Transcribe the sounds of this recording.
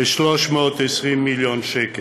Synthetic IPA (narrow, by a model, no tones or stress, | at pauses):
eʃlɔʃmeot̪ɛsʁimːiljonʃɛke